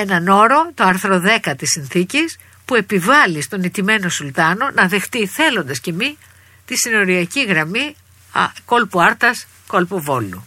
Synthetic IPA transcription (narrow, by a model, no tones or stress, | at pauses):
e̞nɐno̞ɾo̞t̪oɐɾθɾo̞ðe̞kɐt̪isinθicis | pue̞pivɐlist̪o̞nit̪ime̞no̞sult̪ɐno̞nɐðe̞xt̪iθe̞lo̞nd̪ɐsce̞mi | t̪isino̞ɾiɐciɣɾɐmi | ko̞lpuɐɾt̪ɐs | ko̞lpuvo̞lu